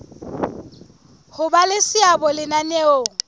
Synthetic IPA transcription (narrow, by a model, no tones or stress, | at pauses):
hʊbalɪsɪabɔlɪnaneoːŋ̩